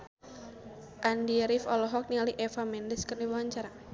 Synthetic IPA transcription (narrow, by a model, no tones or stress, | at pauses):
ʔandiɾifɔlɔɦɔk̚nialiʔɛfamɛndɛskərniwawaɲt͡ʃaɾa